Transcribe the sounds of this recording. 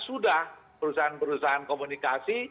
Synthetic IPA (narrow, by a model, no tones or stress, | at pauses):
sudah | pəɾusaɦanpəɾusaɦankomunikasi